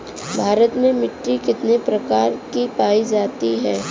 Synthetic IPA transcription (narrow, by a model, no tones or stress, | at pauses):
bʱaːɾət̪mẽmɪʈːikɪt̪nepɾɐkaːɾkipaːid͡ʒaːt̪iɦɛː